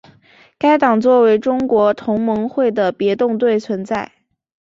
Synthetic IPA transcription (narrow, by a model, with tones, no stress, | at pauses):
ka˥ɪt̪ɑ˨˩ŋt͡swɔ˥˩we˧˥ɪʈ͡ʂʊ˥ŋkwɔ˧˥t̪ʰʊ˧˥ŋmɤ˧˥ŋxwe˥˩ɪd̪ə˩pjɛ˧˥t̪ʊ˥˧ŋt̪we˥˩ɪt͡sʰwə˧˥nt͡sa˥˩ɪ